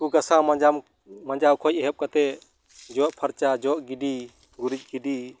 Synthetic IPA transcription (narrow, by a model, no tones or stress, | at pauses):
kuɡasãmad͡ʒam | mad͡ʒawkʰɔj̚ɛɦɛp̚kat̪ɛ | d͡ʒɔʔpʰaɾt͡ʃad͡ʒɔʔɡidi | ɡuɾic̚ɡidi